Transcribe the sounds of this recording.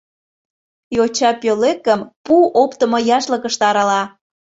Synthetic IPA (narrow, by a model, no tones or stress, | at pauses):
jot͡ɕɑpølekəmpuopt̪əmojɑʃləkəʃt̪ɑɾɑlɑ